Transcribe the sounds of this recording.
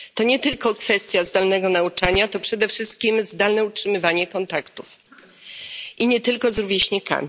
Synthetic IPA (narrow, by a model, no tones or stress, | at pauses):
t̪ɔɲɛt̪ɘlkɔkfɛst̪ʲjazd̪alnɛɡɔnaut͡ʂaɲat̪ɔpʂɛd̪ɛfʂɘst̪̚kʲimzd̪alnɛutʂɘmɘvaɲɛkɔnt̪akt̪uf | ʔiɲɛt̪ɘlkɔzɾuvʲjeɕɲika̰mʲi